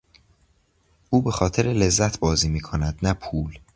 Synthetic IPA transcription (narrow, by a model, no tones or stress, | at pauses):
ʔuːbe̞xɒːt̪ʰe̞ɾele̞zːæt̪ʰbɒːziːmiːkʰonæd̪̥næpʰuːl